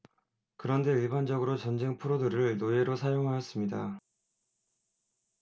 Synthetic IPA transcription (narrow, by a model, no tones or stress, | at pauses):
kɯɾʌnde̞iɭband͡ʑʌɡɯɾot͡ɕʌnd͡ʑe̞ŋpʰɯɾodɯɾɯɭnoe̞ɾosʰajoŋɦajʌs͈ɯmɲida